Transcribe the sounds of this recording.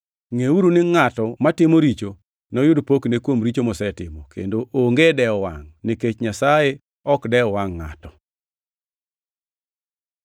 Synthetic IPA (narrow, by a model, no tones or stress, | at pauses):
ŋeuɾunɪŋatɔmatɪmoɾit͡ʃo | nɔjʊdpoknekwomɾit͡ʃomɔsɛtɪmɔkʰḛndoʔoŋɡedɛɔwa̰ŋniket͡ʃɲasaje | ɔkdɛɔwaŋːa̰tɔ